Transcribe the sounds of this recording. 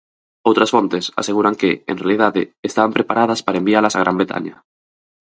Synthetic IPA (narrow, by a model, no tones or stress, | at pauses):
owt̪ɾasfont̪esa̰seɣ̞uɾaŋkeḛnrealiðaðḛːst̪aβampɾepaɾʔað̞aspaɾaembialasaɣɾambɾet̪ʰa̰ɲa